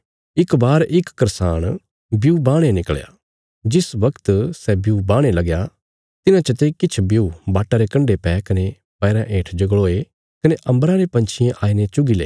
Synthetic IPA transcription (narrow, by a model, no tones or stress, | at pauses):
ɪkbaːɾʔɪkːɐɾsaːɽ̃ | bjubãːɽ̃enɪkɭja̰ | d͡ʒɪsbɐkt̪sɛbjubãːɽ̃elɐɡja | t̪ɪnãt͡ʃət̪ekɪt͡ʃʰbjubaːʈːaɾekɐ̃ɳɖepɛːkɐne | pɛːɾãʔẽːʈʰd͡ʒɐɡɭoːe | kɐneʔɐ̃mbɾãɾepɐ̃nt͡ʃʰɪjẽʔaːinet͡ʃʊɡilḛː